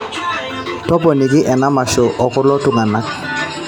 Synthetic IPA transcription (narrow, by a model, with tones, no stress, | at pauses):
tɔ˦pɔ˨ni˨kɪ˦ʔɛ˨na˦ma˨ʃɔ˨ʔɔ˨kʊ˦lɔ˦tʊ˨ŋa˨na˦k̚